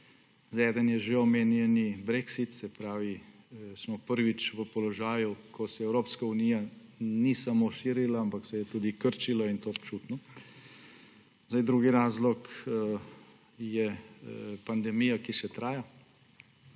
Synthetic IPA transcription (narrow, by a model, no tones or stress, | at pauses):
zɛd̪ənjɛʒeɔmeːnjɛnibɾeksit̪sɛpɾaːʋi | smɔpəɾʋit͡ʃʋəpɔlɔʒaːjukʰɔsɛɛwɾoːpskaunijanisamoʃiːɾilaampaksɛjɛt̪uːd̪ikəɾt͡ʃilɔint̪oːpt͡ʃuːt̪nɔ | z̥ajd̪ɾuːɡiɾaːzlɔk | jɛ | pand̪ɛmijakiʃɛt̪ɾaːja